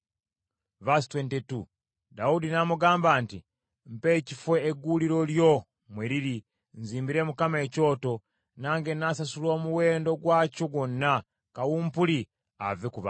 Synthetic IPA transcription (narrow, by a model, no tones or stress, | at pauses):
vastwentetu | daudinamuɡaːmbaːnti | m̩pe̞ːcifwe̞ːɡuliɾo̞ljo̞ | mweɾiɾi | nziːmbiɾe̞mukame̞ːco̞ːto̞ | naːŋɡenasasulo̞ːmuwe̞ːndo̞ɡwaːcoɡwonːa | kawuːmpuli | a̰vekuβa